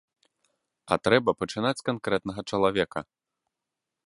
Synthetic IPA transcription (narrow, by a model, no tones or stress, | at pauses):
ɐ̰t̪ɾɛbɐpɐt͡ʂɨnat͡sʲkankɾɛt̪nɐɣɐt͡ʂɐlˠavʲɛkɐ